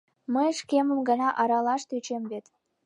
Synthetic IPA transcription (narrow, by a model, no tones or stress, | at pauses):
məjʃkeməmɡə̆nɑʔɑɾɑlɑʃt̪yt͡ɕemβet̪